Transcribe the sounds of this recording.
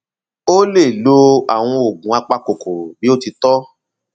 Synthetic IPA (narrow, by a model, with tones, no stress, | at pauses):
o˦le˦˨lo˧a̰˨w̃ɔ̃˧o˨ɡũ˨a˧k͡pa˧ko˨ko˨bi˦o˦ti˧tɔ˦